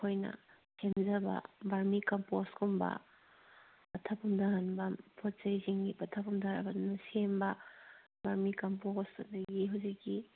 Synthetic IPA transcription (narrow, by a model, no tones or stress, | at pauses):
kʰojnɐ̰ | sʰemzɐbɐ̰baɾmikɐmposkʰombɐ̰ | ɐtʰɐpʰumdaɦanbɐpʰot̚t͡ʃɐjziŋɡipɐtʰɐpumdaɾɐ̰bɐdunɐsembɐ | baɾmikɐmposɐndɐɡiɦawzikːi